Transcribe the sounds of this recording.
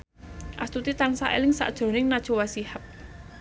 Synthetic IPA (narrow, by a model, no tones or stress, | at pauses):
ʔast̪ut̪it̪aŋsa̰ʔḛlɪŋsa̰ʔd̥ʒ̥o̤nɪŋnad̥ʒ̥o̤wasihəp̚